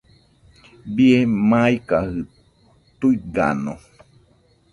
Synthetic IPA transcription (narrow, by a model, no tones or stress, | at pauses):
biemãikahɨ | t̪uiɡa̰no